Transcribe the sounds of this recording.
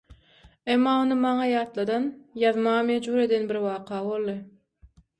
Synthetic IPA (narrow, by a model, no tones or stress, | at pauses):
emːɑːonɯmɑŋɑjɑːt̪lˠɑd̪ɑnjɑðmɑʁɑmed͡ʒbuːɾe̞d̪enbiɾwɑːqʰɑːβo̞lˠːɯ